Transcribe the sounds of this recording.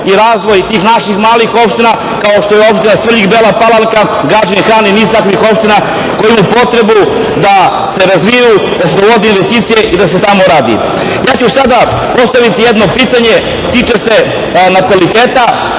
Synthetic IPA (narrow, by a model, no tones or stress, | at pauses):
iɾaːzʋo̞jt̪iːxnaʃixmaːlixo̞pʃt̪ina | kaoʃt̪o̞jeo̞pʃt̪inasʋeʎixbelapalaŋka | ɡaːd͡ʒinxɾaːniniːzt̪akʋixo̞pʃt̪ina | ko̞jimapo̞t̪ɾe̞bu | d̪a | se̞ɾazʋijud̪as̬ed̪oʋo̞d̪einʋest̪iːt̪sije̞ʔid̪ase̞t̪amo̞ɾaːd̪ḭ | jaːt͡ɕusad̪a | po̞st̪aʋit̪ijed̪no̞piːt̪aɲe̞ | t̪iːt͡ʃe̞se̞ | nat̪alit̪e̞ːt̪a